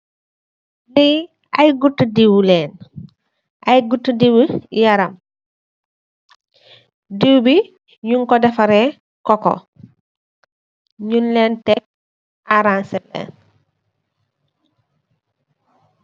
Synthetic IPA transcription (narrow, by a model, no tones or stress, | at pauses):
li | ajɡutːdiwulɛːn | ʔajɡutːdiwujaɾam | diwbi | ɲuŋkɔdɐfaɾɛ | kɔkɔ̰ | ɲunlɛːntɛk̚ | ʔaɾansɛlːɛ̰ːn